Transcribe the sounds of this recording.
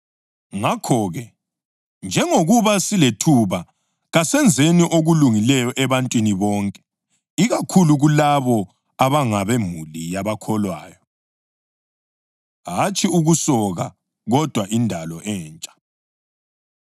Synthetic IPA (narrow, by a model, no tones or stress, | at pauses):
ŋakʰɔːɣɛ | nd͡ʒʱɛŋoɣuβasiletʰuβa | ɣasɛnd͡zʱeniʔoɣuluŋilɛjɔʔɛβantʼwiniβɔːŋkʼɛ̥ | iɣakʰuluɣulaβɔ | aβaŋaβɛmulijaβakʰɔlwaːjɔ | ɦat͡ʃʼiuɣusɔɣa | ɣɔd̥ʱwaʔindʱalɔʔɛːnt͡ʃʼḁ